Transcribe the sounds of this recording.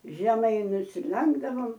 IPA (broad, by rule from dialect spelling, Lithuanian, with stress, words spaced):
ʒʲɛˈmɐɪ nʊsʲɪˈlʲɛŋɡdɐʋoːm